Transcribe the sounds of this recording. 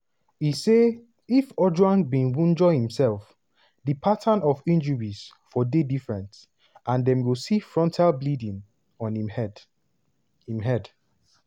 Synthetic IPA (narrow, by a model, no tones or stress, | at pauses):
ise | ifɔd͡ʒwãnbĩnwũnd͡ʒɔhĩmsɛlf | dipʰatʰãnɔfĩnd͡ʒuɹis | fɔdedifɹɛ̃nt | ʔãndɛ̃mɡosifɹɔ̃ntʰaɪlblidĩŋ | ɔ̃niɛd | hĩmɦɛd